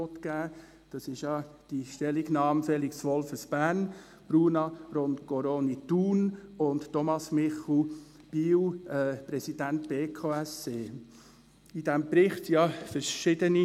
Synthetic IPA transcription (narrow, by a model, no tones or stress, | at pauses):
ɔtkæː | d̥ɑsɪʃjɑd̥iʃtɛliɡnɑːmfɛliksʋɔlfəsb̥æɾn | b̥ɾuːnɑɾondkoɾonituːnʊnttɔmɑsmɪχl̩ | b̥iːwɛpɾɛsid̥ænt̚b̥eːkʰoːɛseː | idɛmpɾɪχtjɑfəɾʃɪdəni